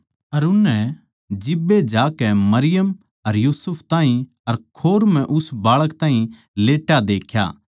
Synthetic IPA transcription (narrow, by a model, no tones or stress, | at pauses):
ɐɾʊnːɛ | d͡ʒɪbːed͡ʒaːkɛmɐɾɪjəm | ɐɾjuːsʊpʰt̪ãːɦĩ | ɐɾkʰoːɾm̤ɛ̃ʔʊsbaːɭəkt̪ãːɦĩ | leːʈːad̪eːkʰja̰ː